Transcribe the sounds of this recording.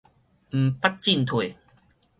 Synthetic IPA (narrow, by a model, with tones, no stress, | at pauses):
m̩˨˩pa˦t̚t͡ɕi˥˨nt̪ʰwe˨˩